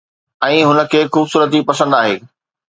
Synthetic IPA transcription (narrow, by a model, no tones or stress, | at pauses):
ɛ̃ːɦʊnə̆kʰeːxuːbsuːɾət̪̬ipɐsə̃nd̪aːɦeː